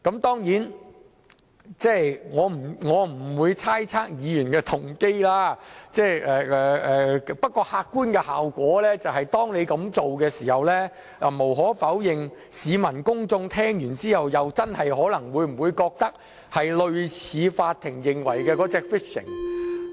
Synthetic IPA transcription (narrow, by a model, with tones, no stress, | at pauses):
kɐ˨˥mt̪ɔː˥ŋjiː˨˥n | t͡sɛː˥ŋɔː˨˧m̩˨˩ŋɔː˨˧m̩˨˩wuː˨˧jt͡sʰaː˥jt͡sʰaː˥k̚jiː˧jyː˨˩nkɛː˧t̪ʰʊ˨˩ŋke˥jlaː˥t͡sɛː˥˩jɛ˨ɛː˨ɛː˨pɐ˥t̚kɔː˧haː˧kːuː˥nkɛː˧haː˨wkʷɔː˨˥lɛː˥t͡sɐ˨wɦɐ˨jt̪ɔː˥ŋne˨˧jkɐ˨˥mt͡so˨wkɛː˧siː˨˩hɐ˨wlɛː˥ | ʔɛ˨mo˨˩wɦɔː˨˥fɐ˨˥wjɪ˨ŋ | siː˨˧mɐ˨˩nkʊ˥ŋt͡sʊ˧ŋt̪ʰɛː˥ŋjyː˨˩nt͡siː˥hɐ˨wjɐ˨wt͡sɐ˥nhɐ˨jhɔː˨˥lɐ˨˩ŋwuː˨˧jm̩˨˩wuː˨˧jkɔː˧k̚t̪ɐ˥k̚ | hɐ˨jlɵ˨˧ɥt͡sʰiː˨˧faː˧t̪ʰːɪ˨˩ŋjɪ˨ŋwɐ̰˨˩jkɛː˧kɔː˨˥t͡sɛː˧k̚fɪ˥k̚sɪ̰˨˩ŋ